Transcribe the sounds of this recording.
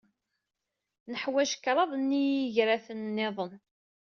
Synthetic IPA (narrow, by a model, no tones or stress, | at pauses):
nəħwæʒə̥kːɾˤɑðˤnːijiʝɾaθənːɪðˤən